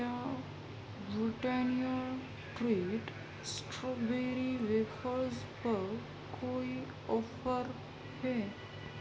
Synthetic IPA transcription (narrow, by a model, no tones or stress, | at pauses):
a | bɾiʈɛniəl | ʈɾiːʈ | sʈɾobeɾiʋekʰəɾzpəɾ | kʰoi | ɔfəɾ | hɛ